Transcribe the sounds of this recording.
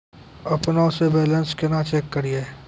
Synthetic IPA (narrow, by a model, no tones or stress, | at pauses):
ɐpnaʊsebɛːlənskɪnat͡ʃeːkːəɾieː